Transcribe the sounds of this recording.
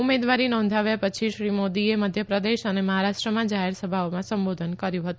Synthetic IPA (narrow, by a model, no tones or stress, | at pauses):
umed̪ʋaɾinɔ̃nd̪ʱaʋjapət͡ʃʰiʃɾimod̪ieməd̪ʱjəpɾəd̪eʃəneməɦaɾaʃʈɾəmãd͡ʒaɦeɾsəbʱaomãsəmbod̪ʱənkəɾjũɦət̪ũ